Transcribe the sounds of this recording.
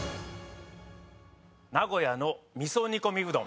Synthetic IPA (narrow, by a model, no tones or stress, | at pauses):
naɡo̞janomʲisoɲ̟iko̞mʲiɡɯ̟d̪õ̰